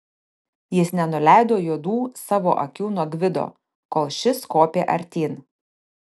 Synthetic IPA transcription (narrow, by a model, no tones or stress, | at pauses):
jɪsnʲɛnʊlʲæˑɪd̪oːjuɔd̪uːsɑːʋo̰ːʔɐ̰kʲuːnuɔɡʋʲɪd̪o̰ː | koːlˠʃʲɪskoːpʲeːʔɐ̰ɾʲt̪ʲiːn